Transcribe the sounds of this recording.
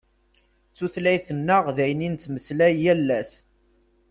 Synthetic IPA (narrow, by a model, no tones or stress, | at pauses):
t͡sːuθlæjθənːəʁðæjənint͡s̪ːməslæjːælːæs